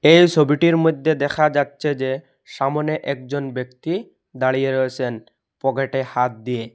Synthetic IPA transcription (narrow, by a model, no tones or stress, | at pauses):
ejt͡ɕʰobiʈiɾmojd̪ʱːed̪ɛkʰad͡ʑatːɕʰed͡ʑe | ʃamoneʔɛk̚d͡ʑonbekt̪i | d̪aɽijeɾoet͡ɕʰen | pɔɡeʈehat̪̚d̪ije